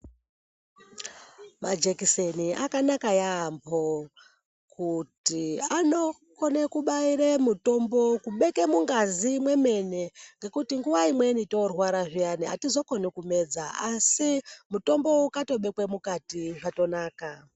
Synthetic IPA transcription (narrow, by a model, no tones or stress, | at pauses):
mad͡ʒekiseniʔakanakajaːmbo̞ | kutiano̞ | ko̞nekuɓaiɾemuto̞mbokuɓe̞ke̞muŋɡazimwe̞me̞ne̞ŋɡe̞kutiŋɡuʋaimwe̞nito̞rwaɾaʐijania̰tizo̞ko̞nekume̞d͡zaasimuto̞mbo̞ukato̞ɓe̞kwemukatiʐato̞naːka